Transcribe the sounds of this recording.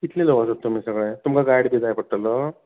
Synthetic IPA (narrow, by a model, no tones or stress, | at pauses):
kit̪ʰlelobasot̪ːomiːsəɡɭet̪umkaɡajɽbiːd͡zajpəɽ̚ʈələ